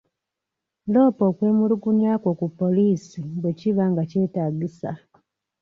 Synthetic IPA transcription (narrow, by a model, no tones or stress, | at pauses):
lo̞ːpo̞ːkwe̞ːmuluɡuɲaːko̞kupːo̞liːsiɡwe̞ciβaŋɡace̞ːtaːɡisa̰